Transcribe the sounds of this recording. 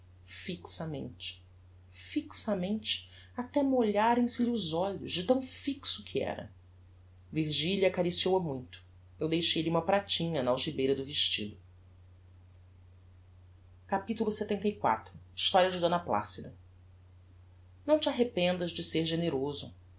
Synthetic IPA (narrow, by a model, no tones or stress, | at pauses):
fiksɐmḛ̃nt͡ʃɪ̥ | fiksɐmẽnt͡ʃɪ̥ | at̪ɛmoʎaɾẽj̃sɪʎɪʊzɔʎʊʒd͡ʒɪt̪ɐ̃w̃fiksʊkʰiɛ̰ɾɐ̰ | viɾʒiʎiɐkaɾisiowɐmũj̃t̪ʊ̥ | ewd̪ejʃejliũmɐpɾat͡ʃĩɲɐnɐawʒibejɾɐd̪ʊviʃt͡ʃḭd̪ʊ | kapit̪ulʊset̪ẽnt̪ɐjkwa̰t̪ɾʊiʃt̪ɔɾiɐd͡ʒɪd̪õnɐpla̰sid̪ɐ | nɐ̃w̃t͡ʃɪaɦepẽnd̪ɐzd͡ʒɪseɾʒeneɾozʊ̰